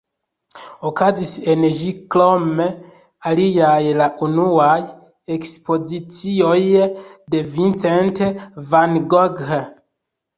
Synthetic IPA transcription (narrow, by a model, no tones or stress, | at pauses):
okaziseneʒiklome | alijajlaʔunuaj | ekspozit͡siojdevint͡sentevanɡoɡe